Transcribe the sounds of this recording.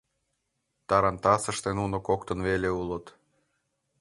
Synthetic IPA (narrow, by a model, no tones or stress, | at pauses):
t̪ɑɾɑnt̪ɑsə̆ʃt̪enunokokt̪ə̆nβeleulə̆t̪